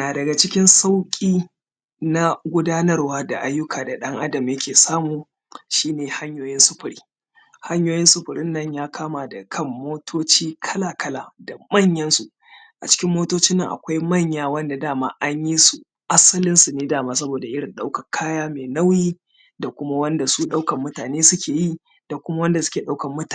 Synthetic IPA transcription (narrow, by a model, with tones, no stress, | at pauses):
naː˨dɐ˨ɡa˨t͡ʃɪ˦kʲɪ˦nsa˦wkʲʼiː˦ | na˦ɡʷʊ˦daː˦nɐ˦rwaː˦da̰˨ʔa˦jːʊ˦kʰaː˨da˨ɗɐ˦ŋʔa˦dɐ˨mjɐ˦kʲʰeː˨saː˦muː˨ | ʃiː˦neː˨ha˦ɲjoː˦jɪ˦nsʊ˦ɸʊ˨ɾiː˦ | ha˦ɲjoː˦jɪ˦nsʊ˦ɸʊ˨ɽɪ˦nːɐ˦ɲjaː˦kʰaː˦maː˨da˨kʰɐ˦˨mːoː˦tʰoː˦t͡ʃiː˦kʰɐ˦laː˨kɐ˦laː˨da˨mɐ˦˨ɲjɐ˦nsu˨ʔ | ʔa˨t͡ʃɪ̥˦kʲɪ˦mːoː˦toː˦t͡ʃɪ˦nːɐ˨ŋʔa̰˨kʷa˦jmɐ˦˨ɲjaː˦˨wɐ˦nda˨daː˦˨ma̰ː˦ʔa˦ɲji˦su˨ | ʔa˦sɐ˦lɪ˦nsu˨neː˦daː˦˨maː˦˨s̬ɐ˦boː˨da˨ʔɪ˦ɽɪ˨nɗa˦wkɐ˨kʰaː˦jaː˦meː˨na˦wjiː˦ | da˨kʷʊ˦ma˦wɐ˦nda˨su˦ɗa˦wkɐ˨mːʊ˦taː˨neː˦sʊ˦kʲeː˨ji˦˨ | da˨kʷʊ˦ma˦wɐ˦nda˨sʊ̥˦kʲeː˨ɗa˦wkɐ˨mːʊ˦ta˨